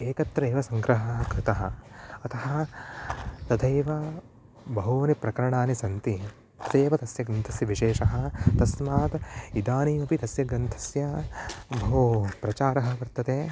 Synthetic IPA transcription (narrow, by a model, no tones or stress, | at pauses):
eːkɐt̪ɾeːʋɐsɐŋɡɾɐɦɐkʰɾɪt̪ɐɦɐɐt̪ɐɦɐɐ̆ | t̪ɐd̪ʱeːʋɐ | bɐɦoːɐnipɾɐkɐɾɐɳaːnisɐnt̪i | t̪ɐt̪eːʋɐt̪ɐsjɐɡɾɐnt̪ʰɐsjɐʋiʃeːʃɐɦɐ̆t̪ɐsmaːt̪id̪aːniːmɐpit̪ɐsjɐɡɾɐnt̪ʰɐ̥sjɐbɐɦupɾɐt͡ʃaːɾɐɦɐ̆ʋɐɾt̪ɐt̪eː